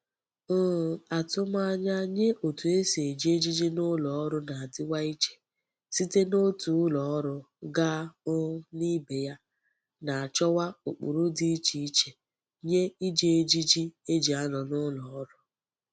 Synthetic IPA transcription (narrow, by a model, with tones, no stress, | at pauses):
a˨tʊ˦ma˦ɲa˦ɲe˦ʔo˨tu˨e˦si˨e˨d͡ʒi˦e˦d͡ʒi˦d͡ʒi˦nʊ˦lɔ˨ɔ˦ɾʊ˦na˨a˨dɪ˦wa˦i˦t͡ʃe̥˨ | si˦te˦no˦tu˨˦lɔ˨ɔ˦ɾʊ˦ | ɡa˦ʊ˦ni˦be˨ja˦ | na˨a˨t͡ʃɔ˦wa˦o˨k͡pṵ˨ɾu˦di˦i˦t͡ʃi˦i˦t͡ʃe˨ | ɲe˦i˦d͡ʒe˦˨e˨d͡ʒi˦d͡ʒi˦e˦d͡ʒi˨a˦nɔ˨nʊ˦lɔ˨ɔ˦ɾʊ˨